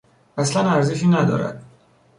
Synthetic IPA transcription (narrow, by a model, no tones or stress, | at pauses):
æslænæɾzeʃ̬iːnæd̪ɒ̰ːɾæ̰d̪̥̚